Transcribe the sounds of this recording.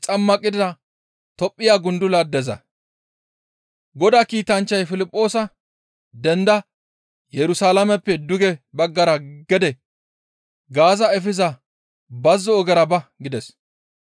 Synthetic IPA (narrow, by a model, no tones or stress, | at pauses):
t͡ʃʼɐmːɐkʼːɪd̪d̪ɐ | t̪ɔpʼːɪjaːɡʊnd̪ʊlɐd̪ɛzɐ̰ | ɡɔd̪aːkiːt̪ɐnt͡ʃːɐjfɪlɪpʼːo̞ːsɐ | d̪ɛnd̪ɐ | jɛɾʊsaːlɐmɛpːɛd̪ʊɡɛbɐɡːɐɾɐɡɛd̪ɛ | ɡaːzɐɛfɪzɐ | bɐzːɔːɡɛɾɐbɐɡɪd̪ɛs